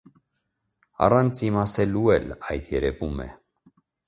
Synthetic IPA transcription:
ɑ̰rɑnt͡simɑsɛluɛlɑjt̪ʰjɛɾɛvumɛ̰

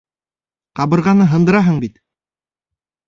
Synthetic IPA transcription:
qɑβɤ̆ɾʁɑnɤɦɤ̆nd̪ɤ̆ɾɑɦɤɴbit̪

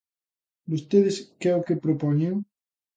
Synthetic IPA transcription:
d̪ust̪eðeskeokepɾopɔɲeŋ

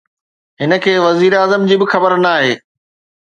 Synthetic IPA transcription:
ɦɪnə̆kʰeːʋɐziːɾaːzəmd͡ʑiːbɪxɐbəɾnaːɦeː

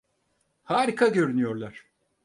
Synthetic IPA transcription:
haːɾikʰaɟø̞ɾynyjo̞ɾlˠaɾ̥

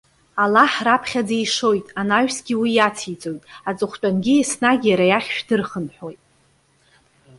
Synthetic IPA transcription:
alaħrapʰχʲad͡zeiʂo̞jtʼanaɥᶣsɡʲiwijat͡sʰit͡sʼo̞jtʼat͡sʼɨχʷt͡ʃʷʼanɡʲiesnaɡʲijaɾajaχʲʃᶣdɨrχənħo̞jtʼ

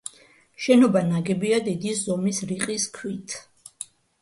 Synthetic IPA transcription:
ʃɛnɔbanaɡɛbiad̪id̪izɔmisɾiqʼiskʰwit̪ʰ

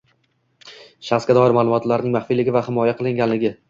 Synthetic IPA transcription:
ʃaχsɡʲad̪ɒɪɾmaːlˠʊmɒt̪laɾnɪŋmaχfilɪɡʲɪvahɪmɒjaqʰɨlˠɪŋɡʲanlɪɡʲɪ

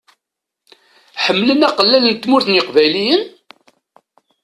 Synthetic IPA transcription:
ħəmːlənæqəlːælənt̪ːmʊɾθnəqvæjlijən

